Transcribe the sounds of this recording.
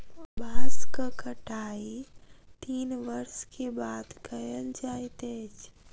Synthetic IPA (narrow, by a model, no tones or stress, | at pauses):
bʱaːskəkəʈaːi | t̪iːnʋəɾʃkibaːt̪kəjəld͡ʒaːjt̪eːt͡ʃ